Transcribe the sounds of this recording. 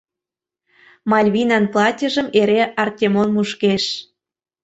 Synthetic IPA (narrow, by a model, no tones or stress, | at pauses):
mɑlʲβinɑnplˠɑtʲə̆ʒə̆meɾeʔɑrt̪ʲemonmuʃkeʃ